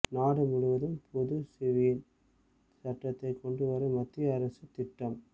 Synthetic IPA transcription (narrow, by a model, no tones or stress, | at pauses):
naːɽɯmʊɽʊʋɐðɯmpʰʊðɯsɪʋiːl | sɐʈːɐt̪ːɐɪkɔɳɖɯʋɐɾɐmɐt̪ːɪjɐːɾɐsɯt̪ɪʈːɐm